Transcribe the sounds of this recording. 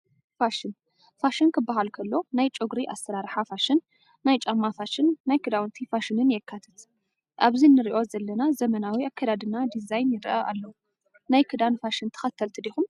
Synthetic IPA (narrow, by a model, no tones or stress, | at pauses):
faʃɨn | faʃɨnkʰɨbːaɦalkʰɐlːo̞najt͡ʃʼoɡɾiʔa̰sɐɾaɾħafaʃɪnː | ajt͡ʃʼɐmːafaʃɪnːajkʰɨd̪awnt̪ʰifaʃɨnɨnjɛkʰːat̪ʰɐ̥t̪ | ʔaβzinɨɾiʔo̞zɐlːɐnazɐmɐnawiakʰːad̪ad̪ɨnad̪izajnjɪɾʔaʔa̰lːɐwu | najkʰɨd̪anfaʃɨnt̪ʰɐ̥xɐt̪ʰːɐlt̪ʰɨd̪ixum